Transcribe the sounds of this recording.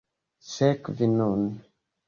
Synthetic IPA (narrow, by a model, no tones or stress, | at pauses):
sɛkvinɔn